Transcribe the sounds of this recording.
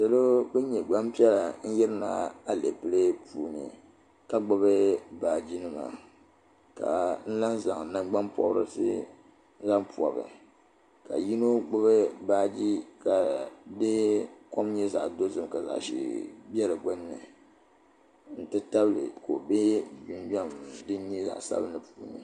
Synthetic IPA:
sa˨lo˦bɨ˦ɲɛ˨ɡ͡ba˦mpi˦ɛ˦la˨n̩˦jɪ˦ɾɨ˦na̰˨a˦le˨pɨ˦lɨ˦puː˨nɨ̰˨ | ka˦ɡ͡bʊ˦bɨ˦baː˨d͡ʒi˦nɨ˦ma̰˨ | ka̰˨n̩˦la˦nza˨ŋ˨na˦mɡ͡ba˦npɔ̰˦bɾɨ̰˦sɨ̰˦ | za˦mpu˨ɔ̰˨bɨ̰˨ | ka̰˨ji˦no˦ɡ͡bo˦βɨ˦baː˦d͡ʒi˦ka˨de˦ko˦mɲɛ˦za˨ʔdo˦zɨ˦m˨ka˨za̰˨ʔʃḭ˦bʲɛ˦ɾɨ˨ɡo˦nːɨ˨ | n̩˦tɨ˦ta˦blɨ̰˨ko˨be˦bi˨nba˦mdɨ˦n˦ɲi˦za̰˨ʔsa̰˦bnɨ˨puː˨˦nɨ̰˨

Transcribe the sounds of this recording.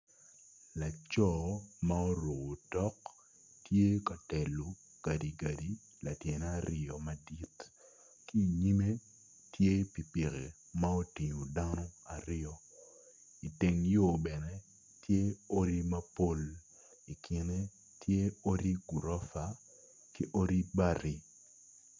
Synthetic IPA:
la˨t͡ʃɔ˨ma˦o˦ɾo˨ɡo˨tɔ˦k | tje˦ka˨tɛ˨lo˨ | ɡ̥a˨di˨ɡa˨di˨ | la˨tje˨nɛ˦a˦ɾɪɔ˨ma˨di˦t | ki˦˨ɲi˦me˦ | tje˦pi˨pɪ˨ɣḛ˨ | ma˦o˦ti˨ɲo˨da˦nɔ˦a˨ɾɪ˦ɔ˦ | i˨te˨ŋjo˨bɛ˨nɛ˦ | tje˦o˦ɾi˦ma˦po˦l | i˨kʰɪ˨˦ne˦ | tje˦o˦ɾi˦ɡu˨ɾɔ˦fa˨ | ki˦ʔo˦ɾi˦ba˦˨ɾi˦

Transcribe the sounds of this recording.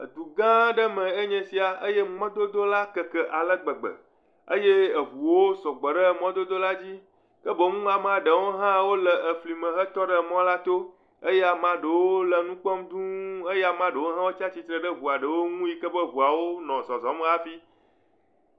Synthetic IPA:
ə̰˨d̪u˨ɡã˦ɖə˦mə̃˨e˦ɲɛ̃˦si˨˦a˨ə˦je˦ŋ͡mɔ̃˦d̪o˦d̪o˦la˦kə˨kə˦ʔa˨lə˦ɡ͡bə˨ɡ͡bə̰˨ | ə˦je˦ə˨vu˨wo˦sɔ˨ɡ͡bə˨ɖə˦˨mɔ̃˦d̪o˦d̪o˦la˦d͡ʑi˦ | kə˦bə˨ŋũ˦a˨mã˦ɖə˨wo˦ɦã˦wo˦lə˨ʔə˨fli˨mə̃˨ɦə˦t̪ɔ˦ɖə˦mɔ̃˦la˦t̪o˦ | e˦jɛ˦a˨mã˦ɖə˨wo˦lə˨nũ˦k͡pɔ˦md̪ũ˦e˦je˦a˨mã˦ɖə˨wo˦ɦã˦wo˦t͡ʃa˦t͡ɕi˦t̪ɾə˨ɖə˦βu˨a˨ɖə˨wo˦ŋũ˦ji˦kə˦bə˦βu˨a˨wo˦nɔ̃˨zɔ˨zɔ˨˦mə̃˦a˦fi˦

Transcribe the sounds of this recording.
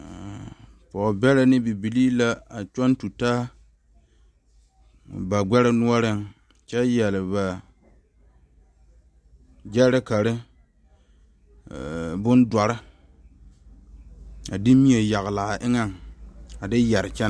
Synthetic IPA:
pɔ˨bɛ˦lɪ˦nɪ˦bi˨bi˨liː˦la˦a˨t͡ʃɔ˦ntu˨taː˦ | ba˨ɡʷɛ˦ɾɪ˦nu˦ɔ˦ɾɪ˦ŋ | t͡ʃɛ˦jɛ˨lɪ˨ba˨ | d͡ʒɛ˦ɾɪ˦ka˨ɾɪ˦˨ | bʊ˦ndɔ˨ɾɪ˦ | a˨dɪ˦mi˦e˨ja˨ɣla˨a˨ʔɪ˦ŋa˦˨ŋa˨dɪ˦jɛ˨ɾɪ˨t͡ʃɛ˦n˨

